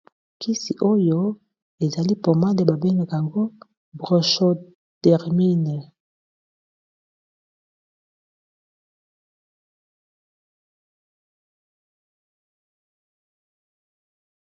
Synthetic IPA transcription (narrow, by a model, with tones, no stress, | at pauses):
ki˦si˨ʔo˦jo˦ | e˨za˨li˦po˨ma˦le˨ba˨be˦ŋɡe˨kja˨ŋɡo˦ | bʁo˨ʃo˦ | tɛ˨ʁmi˦ne˨